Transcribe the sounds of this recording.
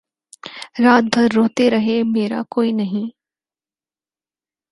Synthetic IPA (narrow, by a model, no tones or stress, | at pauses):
ɾaːt̪̚bʱɐɾːoːt̪eɾɐɦemeːɾa̰koːinɐɦĩ